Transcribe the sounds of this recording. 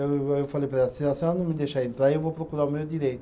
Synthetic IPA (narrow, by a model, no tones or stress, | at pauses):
ewfalepɾeasiasianumid̪eʃaint̪ɾajewvojpɾokuɾaumewd̪iɾejt̪